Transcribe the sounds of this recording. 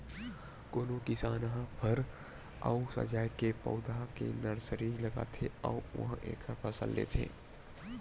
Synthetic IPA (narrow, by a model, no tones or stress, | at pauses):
koːnokɪsaːnɦpʰɐɾ | a̰usɐ̰d͡ʒaːjkepɐ̰ʊd̪akḛnɐɾsəɾilɐɡa̰ːt̪ʰeauʋɐ̰ɦãʔḛːkʰpʰɐsə̰lːḛːt̪ʰḛ̃ː